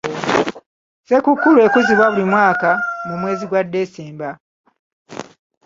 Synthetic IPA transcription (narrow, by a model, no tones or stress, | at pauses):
sekukːulue̞kuziβwaβulimwaːkamumwe̞ːziɡwadːe̞ːsiːmba